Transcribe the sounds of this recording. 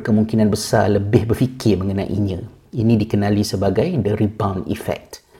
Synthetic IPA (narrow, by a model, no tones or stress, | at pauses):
kəmuŋkinãnbəsa̰ləbɪhbərfikɪrmə̃ŋənã̰ʔḭɲə̃ | inĩdikənãlisəbaɡajdəɾibãwnḭfɛ̰k̚t̪